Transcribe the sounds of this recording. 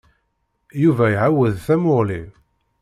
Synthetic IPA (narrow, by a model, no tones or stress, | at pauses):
juvæjʕawːəðθæmʊʁli